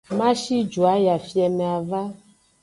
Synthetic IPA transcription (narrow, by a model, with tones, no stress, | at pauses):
mã˦ʃi˦d͡ʒu˨a˨˦ja˨fi˦ɛ˨mɛ˨a˨va˦